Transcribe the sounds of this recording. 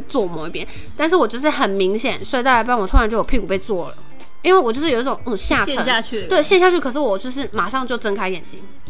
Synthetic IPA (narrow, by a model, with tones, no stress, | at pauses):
t͡swɔ˥˩mo˨˩˦i˧˥pjɛ˥n | t̪nʂ̬ɻ̩˥˩wɔ˨˩t͡ɕjɛ˧˥ə˥ʂɻ̩˥˩xə˨˩nmi˧˥ŋɕjɛ˨˩˦nswt̪a˥˩a˧˥pa˥nwɔ˨˩t̪ʰʊ˥a˧˥nt͡ɕjo˥˩o˨˩pʰi˥˩ku˨˩pe˥˧ɪt͡swɔ˥˩lə̰˩ | i˥nwe˥˩ɔ˨˩t͡ɕjʂɻ̩˥˩o˨˩˧i˥˩ʈ͡ʂʊ˨˩ŋ̩˥˩ɕja˥˧˥a˥˧t͡ɕ̪ʰwe˥˩ɪɕjɛ˥˧nɕja˥˧t͡ɕʰy˥˩kʰɤ˨˩ʂ̬ɻ̩˥˩wɔ˨˩t͡ɕɔ˥˧ʂɻ̩˥˩ma˨˩ʂɑ˥˧ŋt͡ɕjo˥˩ʊt͡sə˥nkʰa˥ɪjɛ˨˩nt͡ɕi˥ŋ